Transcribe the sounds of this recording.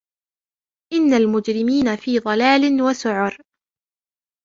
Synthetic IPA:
ʔɪnːalmʊd͡ʒɾɪmiːnafiːðˤɑlaːlɪnwasʊʕʊɾ

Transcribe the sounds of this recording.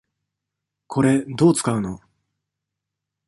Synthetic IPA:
kʰo̞ɾe̞d̪o̞ːt͡sɨ̥kaɯ̟no̞̰

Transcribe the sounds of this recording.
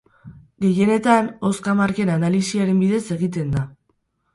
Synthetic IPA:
ɡe̞je̞ne̞t̪ano̞skamaɾke̞nanalisiaɾe̞mbiðe̞se̞ɣ̞it̪e̞nd̪a

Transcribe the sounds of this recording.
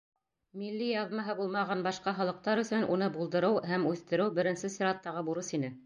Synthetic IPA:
milːijɑðmɑɦɤbulˠmɑʁɑnbɑʃqɑχɑlˠɤ̆q̚t̪ɑɾɵ̆θɵnʔunɤbulˠd̪ɤ̆ɾɤwɦæmʉθt̪ɘ̆ɾɘwbɘ̆ɾɘ̆nsɘsʲiɾɑt̪ːɑʁɤbuɾɤsinɘ

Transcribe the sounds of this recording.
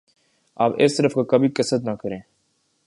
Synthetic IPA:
aːpḛːst̪ɐɾəfkakɐbikɐsət̪nakɐɾẽː

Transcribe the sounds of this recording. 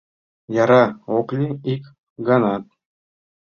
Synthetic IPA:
jɑɾɑoklʲiik | ɡɑnɑt̪̚

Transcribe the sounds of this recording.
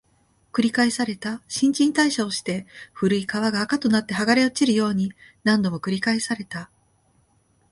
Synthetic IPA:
kɯ̟ɾʲikaesaɾe̞t̪aɕĩɲ̟t͡ɕĩnt̪aiɕaoɕi̥t̪e̞ɸɯ̟ɾɯ̟ikaβaɡaːkat̪o̞nat̪ːeɦaɡaɾe̞ot͡ɕiɾɯ̟jo̞ːɲ̟inãnd̪o̞mo̞kɯ̟ɾʲikaesaɾe̞t̪a

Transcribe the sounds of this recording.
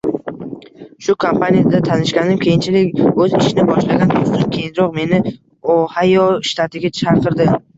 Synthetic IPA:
ʃʊkʰompanijad̪at̪ʰanɪʃkʲanɪmkʲʰe̞jɪnt͡ʃʰɪlɪkʲɵzɪʃɪnɪbɒʃlaɡʲant̪ʰot̪ɪmkʲʰe̞jɪnɾɒqme̞nɪ | ohajoʃt̪ʰat̪ʰɪɡʲat͡ʃʰaɾqʰɨɾd̪ɪ

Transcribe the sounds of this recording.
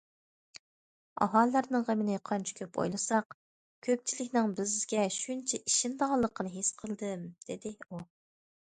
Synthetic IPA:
ɑ̰ɦɑlˠːæɾnɨŋʁəmɪnɪqʰɑnt͡ʃʰɪ̥kʲʰøpo̰jlˠɨsɑq | kʲʰøp̚t͡ʃʰilɪkʲnɪŋbɪzɡʲɛʃunt͡ʃʰɛʔiʃind̪ɑʁɑlˠːəqənɨɦesqʰəlˠd̪ɨmd̪̥ɪd̪ɪu

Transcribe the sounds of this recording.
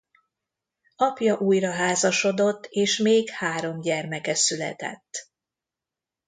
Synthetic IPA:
ɒpjɒʔuːjrɒɦaːzɒʃo̞d̪o̞t̪ːeːʃmeːkhaːɾo̞mɟɛrmɛkɛsylɛ̰t̪ɛ̰t̪ː

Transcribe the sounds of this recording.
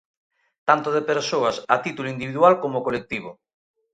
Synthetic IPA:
t̪ant̪oðepeɾsoɐsat̪it̪uloind̪iβiðwalkomokolek̚t̪iβ̞o

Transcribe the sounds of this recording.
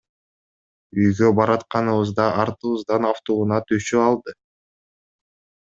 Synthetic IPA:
yjɡøbɑɾɑt̪qɑnɯβɯzd̪ɑʔɑɾt̪ɯβɯzd̪ɑnɑft̪ounɑt̪ʰyʃøɑlˠd̪ɯ

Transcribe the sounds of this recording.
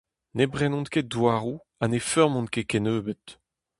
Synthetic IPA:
nebʁɛnɔ̃nkedwaːʁu | anefœʁmɔ̃nkekɛnøːbet̪

